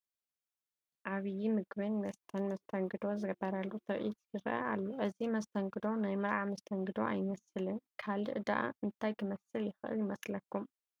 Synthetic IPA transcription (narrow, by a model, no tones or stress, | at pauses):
ʔaβɨjimɨɡβɐnmɐst̪ʰɐnmɐst̪ʰɐŋɡɨd̪o̞zɨɡɐbːɐɾalːut̪ʰɨɾʔḭt̪ɡɨɾɐ̰ʔɐ̰alːoʔɨzimɐst̪ʰɐŋɡɨd̪o̞najmɨɾʕamɐst̪ʰɐŋɡɨd̪o̞̰ʔa̰jmɐsɨlɨnkʰalɨʔɨd̪a̰ʔa̰ʔɨnt̪ʰajkɨmɐsɨljɪxɨʔɨ̰ljɪmɐslɐkːum